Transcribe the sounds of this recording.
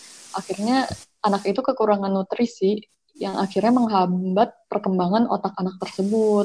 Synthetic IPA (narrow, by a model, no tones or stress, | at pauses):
ʔaxirɲa | anakit̪ukəkuɾaŋanːut̪ɾisi | jaŋʔaxirɲaməŋɦambat̪̚pərkəmbaŋano̰t̪akanak̚t̪ərsəbʊt̪̚